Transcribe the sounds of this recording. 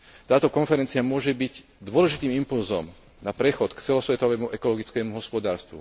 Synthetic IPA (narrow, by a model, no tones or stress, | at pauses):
t̪aːt̪ɔkɔnfɛɾɛnt͡siamʊɔʒɛbiɟ | d̪ʊɔlɛʒit̪iːmimpulzɔ̰m | napɾɛxɔt̪kt͡sɛlɔsʋɛt̪ɔʋɛːmuʔɛkɔlɔɡit͡skɛːmuɦɔspɔd̪aːɾst̪ʋṵ